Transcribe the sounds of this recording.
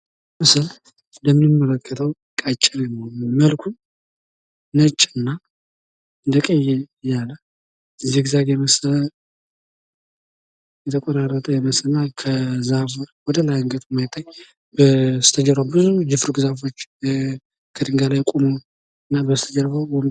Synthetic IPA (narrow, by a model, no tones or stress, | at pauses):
mɨsəl | nd̪əmɨnɨmːələkʰːət̪ʰəw | kʼat͡ʃʼːɪɾnːəməlkʰu | nət͡ʃʼːɨnːa | ɨnd̪əkʼəjɛjalːə | ɨziɡɨzaɡjɛməsələ | jɛt̪ʰəkʼɔɾarːət̪ʼəjɛməsənːakʰəzafuwɔd̪əlajəŋɡət̪ʰmːajt̪ʰʼːaɲː | bəst̪ʰəd͡ʒəɾabɨzud͡ʒɪfɾuɡɨzafo̞t͡ʃː | kʰəd̪ɨŋɡalajkʼumu | ɨnːabəst̪ʰəd͡ʒəɾfə